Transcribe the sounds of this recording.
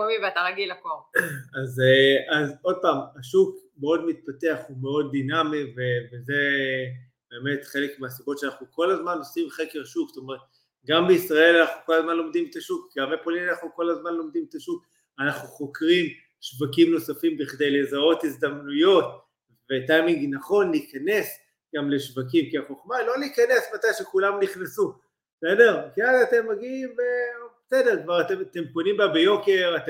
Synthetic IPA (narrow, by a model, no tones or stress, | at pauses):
omiveat̪aʁaɡilakomazazo̞d̪̚paːmaʃukmeo̞dmit̪̚pate̞aχume̞o̞d̪̚ːinamive̞veze̞ | be̞ːme̞tχe̞lekmeasibo̞tʃeanaχnuko̞lazmanosimχekeʁʃuksto̞me̞ʁet̪̚ | ɡambe̞isʁae̞lanaχnuko̞lazmanlo̞mdimet̪aʃukɡamlepolinianaχnuko̞lazmanlo̞md̪imetaʃuk̚ | anaχnuχo̞kʁim | ʃvakimno̞safimbiχde̞jle̞zao̞thizd̪amnujo̞t | vetajmiŋɡnaχo̞nliːkane̞s | ɡamle̞ʃvakimkeaχo̞χmalo̞liːkane̞smatajʃekulamniχnasu | sede̞ʁkialaate̞mːaɡiimvebesedeʁkvaʁat̪emate̞mpo̞nimbabejo̞ke̞ʁate